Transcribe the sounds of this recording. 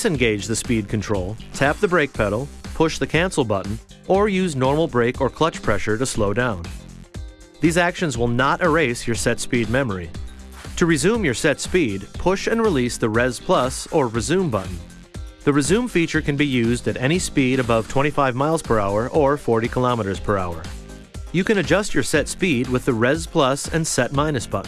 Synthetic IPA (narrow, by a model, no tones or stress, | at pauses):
sɨ̃nɡeɪd͡ʒðɨspid̚kʰɨ̃ntʰɹ̥oʊlˠtʰæp̚ðɨbɹeɪk̚pʰɛɾl̩ˠpʰʊʃðɨkʰæ̃nsl̩ˠbʌʔn̩ʔə˞jʉznɔɹml̩ˠbɹeɪkə˞kʰl̥ʌt͡ʃpʰɹ̥ɛʃə˞ɾɨsloʊdãʊ̃n | ðizækʃɨ̃nzwɪlˠnəɾʔə˞eɪsjə˞sɛtspid̚mɛmə˞i | ɾʰɨɹɨzʉ̃mjə˞sɛtspid̚pʰʊʃɨ̃nɹilisðɨɹɛz̥pʰl̥ʌsə˞ɹɨzʉ̃mbʌʔn̩ | ðɨɹɨzʉ̃mfit͡ʃə˞kɨ̃nbijʉzdɨɾɛɾ̃ispiɾɨbʌv̥tʰw̥ɛ̃ɾ̃ifaɪvmaɪlˠz̥pʰə˞aʊə˞ʔə˞fɔɹɾikʰəlɑməɾə˞z̥pʰə˞aʊə̰˞ | jɨkɨ̃nɨd͡ʒʌst͡ʃə˞sɛtspid̚wɨðɨɹɛz̥pʰl̥ʌsɨ̰̃nsɛt̚mãɪ̃nɨsb̥ʌ̰ʔn̩